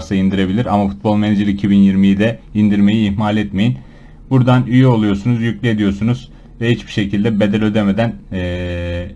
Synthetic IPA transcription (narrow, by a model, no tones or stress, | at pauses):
ɾsaind̪iɾe̞bilʲiɾamafu̥t̪̚bolˠmend͡ʒiɾʲicʰibinjiɾmijid̪ɛind̪iɾme̞jiːhmalʲɛt̪me̞jin | buɾd̪anyjyo̞lˠujo̞ɾsunuzjycʲlʲie̞d̪ijo̞ɾsunuz | vɛhit͡ʃbiʃe̞cʰilʲd̪ɛbe̞d̪elʲø̞d̪eme̞d̪ænː